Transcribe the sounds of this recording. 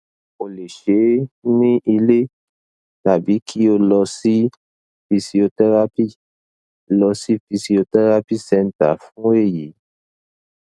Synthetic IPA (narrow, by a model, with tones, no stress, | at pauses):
o˨le˨ʃe˨˦nĩ˦ʔi˧le˦ | ʃa˨bi˨˦kʰi˦o˧lɔ˧si˦ | fi˧si˧o˧tɛ˦ɾa˦pi˦˨ | lɔ˧si˦fi˧si˧o˧tɛ˦ɾa˦pi˦˨sɛ̃˦˨n̩˨ta̰˨fũ˦e˦˨ji˨˦